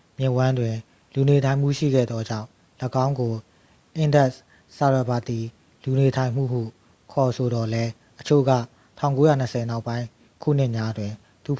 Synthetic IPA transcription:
mjɪ̃˨wã˦ndwɪ̃˨ | lu˨ne˨tʰã˨ɪ̃m̥ṵ˦˨ʃḭ˦˨ɡɛ̰˦˨d̪ðɔ˦d͡ʑã̰˦˨ | ləɡã˦ʊ̃ŋɡo˨ | ʔɪ̃˦˨ndɛ˦ʔ | sa˨ɹa˨ba˨t̪i˨ | lu˨ne˨tʰã˨ɪ̃m̥ṵ˦˨hṵ˦˨ | kʰɔ˨sʰo˨dɔ˨lɛ˦ | ʔət͡ɕʰo̰˦˨ɡä̰˦˨ | tʰã˦˨ʊ̃ŋko˦jä̰˦˨n̥əsʰɛ˨na˦ʊpːã˦ɪ̃ | kʰṵ˦˨n̥ɪ˦ʔmja˦dwɪ̃˨ | t̪u˨p

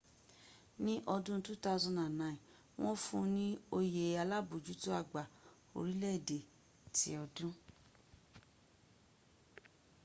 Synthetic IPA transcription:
nĩ˦ʔɔ˧dũ˦n̩˦tu˦ta˦u˦˧zɔ̃˧nã˨nã˨ĩ˨ | w̃ɔ̃˦fũ˦nĩ˦o˧je˨a˧la˦bo˨d͡ʒu˦to˦a˧ɡ͡ba˨ | o̰˧ɾi˦lɛ˦i˨de˨ | tḭ˨˦ɔ˧dũ˦

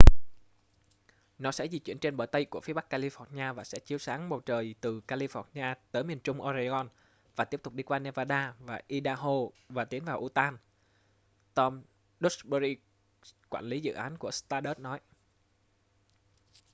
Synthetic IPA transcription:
nɔ˨˦sɛ̰˧˥zi˨˩t͡ɕwḭ˧˩ənt͡ɕe˧nɓəː˧˩jt̪ə˧jku˧˩əfi˨˦əɓa˦˥kːaː˧li˧fɔ˧˥ɲaː˧vaː˨˩sɛ̰˧˥t͡ɕi˨˦əwsaː˨˦ŋɓə˨˩wt͡ɕəː˨˩jt̪ɨ˨˩kaː˧li˧fɔ˧˥ɲaː˧t̪əː˨˦jmi˨˩ənt͡ɕʊ˧ŋ͡mʔo˧za˧zɔ˧n | vaː˨˩t̪i˦˥əp̚t̪k͡p̚ɗi˧kwaː˧nɛ˧vaː˧ɗaː˧vaː˨˩ʔi˧ɗaː˧ɦo˧ | vaː˨˩t̪i˨˦ənvaː˨˩wʔu˧˩t̪aː˧n | t̪ɔ˧m | ɗo˦˥ɓə˧ɾi˧ | kwaː˧˩nli˨˦zɨ̰˧˨ʔaː˨˦nku˧˩əst̪aː˧ɗə˦˥t̚nɔ˨˦j

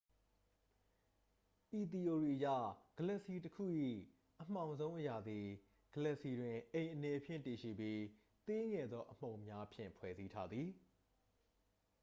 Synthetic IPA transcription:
ʔi˨t̪̬i˨ʔo˨ɹi˨ʔəja̰˦˨ɡ̥ə˨lɛ˦˨ʔsi˨təkʰṵ˦˨ʔḭ˦˨ | ʔəm̥ã˨ʊ̃nzõ˦ʊ̃ʔəja˨d̪i˨ | ɡ̥ə˨lɛ˦˨ʔsi˨dwɪ̃˨ʔẽ˨ɪ̃ʔənɛ˨pʰjɪ̰̃˦˨nti˨ʃḭ˦˨bji˦ | t̪e˦ŋɛ˨d̪ðɔ˦ʔəm̥õ˨ʊ̃mja˦ʔpʰjɪ̰̃˦˨mpʰwɛ̰˨zi˦tʰa˦d̪ði˨

